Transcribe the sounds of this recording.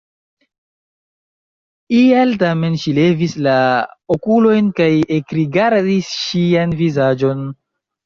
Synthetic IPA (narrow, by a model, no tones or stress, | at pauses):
ialtame̞nʃile̞vislaokulo̞jnkajekɾiɡaɾdisʃianvizad͡ʒo̞n